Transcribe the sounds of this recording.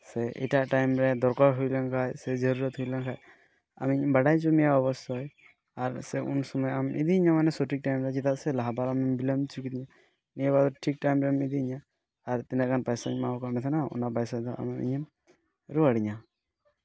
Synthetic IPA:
sɛʔɛ̰ʈaʔʈajmɾɛd̪ɔɾkaɾɦujlankʰajsɛd͡ʒəɾuɾɔt̪ɦujlankʰaj | a̰miiɲɔmbaɽajt͡ʃɔmijaɔbɔst̪ɔj | aɾsɛṵnsɔmɔjamʔḭd̪iiɲamanɛsoʈik̚ʈajmɾɛd͡ʒit̪aʔsɛlaɦabaɾamimbilamt͡ʃʰukit̪iɲa | mijabad̪ɔʈʰik̚ʈajmɾɛamid̪iːɲaː | ɾt̪inɛkʰanpajsaɲmakɔmɛt̪ʰanaṵnapajsad̪ɔa̰miḭɲɔm | ɾuaɽiɲa

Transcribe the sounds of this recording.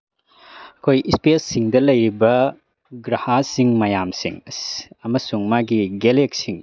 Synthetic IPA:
ɐkʰojispesːiŋdɐlɐjɾibɐ | ɡɾahasiŋmɐjamsḭŋsɐmɐsuŋmaɡiɡelek̚siŋ

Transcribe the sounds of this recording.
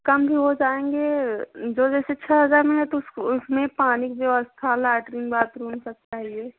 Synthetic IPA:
kɐmbʱiɦod͡ʒaːẽːŋɡeːd͡ʒoːd͡ʒɛːset͡ʃʰɛɦɐzaːɾmẽɦɛt̪osʊsmẽpaːnikd͡ʒoəst̪ʰalaːʈɾɪ̃ŋɡbaːt̪ɾuːnsək̚taːɦieː

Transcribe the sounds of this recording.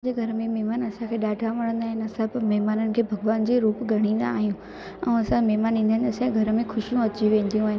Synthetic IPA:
d͡ʑeːɡʱɐɾəmẽmeɦmaːnɐsãkʰeːɗaːɖʱaʋɐɽə̃nd̪aːɦɪnɪɐsɐbmɛɦmaːnənɪ̆kʰeːbʱɐɡʋaːnd͡ʑiːɾuːpɡʱɐɽ̃ĩːn̆d̪a̰ːɦijũ | ɛ̃ɐsãmɛɦmaːnĩːnd̪aɦɪ̃nt̪ɐsãɡʱɐɾəmẽxʊʃijũɐt͡ɕiʋẽːn̆d̪ijũaːɦɪn

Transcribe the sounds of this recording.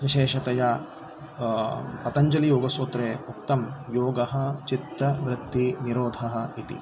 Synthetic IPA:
ʋiʃeːʃɐt̪ɐja | pɐt̪ɐɲd͡ʒɐlijoːɡɐsoːt̪ɾeːukt̪ɐmjoːɡɐɦɐ̆t͡ʃit̪ːɐʋɾɪt̪ːiniɾoːd̪ʱɐɦɐ̆it̪ḭ

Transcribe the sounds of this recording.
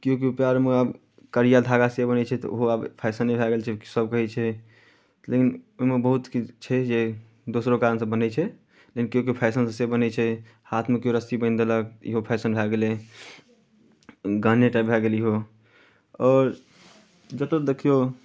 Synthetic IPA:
kijõk̬iupjaɾmeab | kəɾijad̪ʱaɡasebənɛt͡ʃʰɛt̪ɔ̰o̰ɦoabpʰaɪsənːebʱɛɡelt͡ʃʰɛsəb̚kəɦɛt͡ʃʰɛ | lekinoɦimebəɦut̪kit͡ʃʰɛd͡ʒe | d̪osɾokaɾənsə̃bənɛt͡ʃʰɛ | lekinkiok̬ipʰaɪs̬ənsə̃sebənɛt͡ʃʰɛ | hat̪ʰmekioɾəst̪ibə̃ɪnd̪eləkḭɦopʰaɪsənbʱɛɡele | ɡʱəneʈabʱɛɡeliɦo | ɔːɾ | d͡ʒət̪əd̪ekʰijo

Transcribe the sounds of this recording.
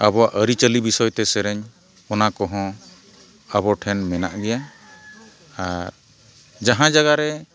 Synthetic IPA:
abɔaʔəɾit͡ʃəlibisɔjt̪ɛsɛɾɛɲ | ɔnakɔɦɔ̃ | abɔʈʰɛnmɛna̰ʔɡɛja | aɾ | d͡ʒaɦãd͡ʒaɡaɾɛ

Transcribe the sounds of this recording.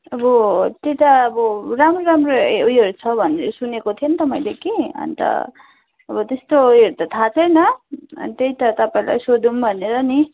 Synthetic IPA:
ʌbʌt̪ejt̪ʌːbʌramroɾamroujʌɾut͡sʰʌbʱʌneɾʌsunekot̪ʰijont̪ʌmaĩlekeʌ̰nit̪ʌ̰ | ʌbʌt̪est̪oɦeɾt̪ʌt̪ʰat͡sʰʌjnʌʌ̰nt̪ejt̪ʌt̪ʌpaĩla̰jsod̪umbʱʌneɾʌni

